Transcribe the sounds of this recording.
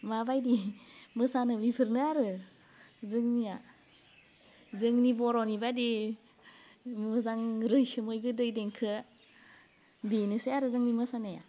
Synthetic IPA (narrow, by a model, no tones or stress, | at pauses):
mabajdimɯsanɯbipʰɯɾnɯaɾɯ | zɯŋnija | zɯŋnibɔɾɔnibadi | mɯzaŋɾɯjsɯmɯjɡɯdɯjdeŋkʰɯ | denɯsajaɾɯzɯŋnimɯsanaja̰